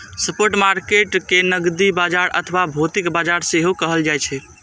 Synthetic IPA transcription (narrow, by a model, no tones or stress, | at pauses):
səpoɾʈmaɾkeʈkenəɡd̪ibad͡ʒaɾə̰t̪ʰəʋabʱot̪ikbad͡ʒaɾseɦokəɦəld͡ʒajt͡ʃʰɛ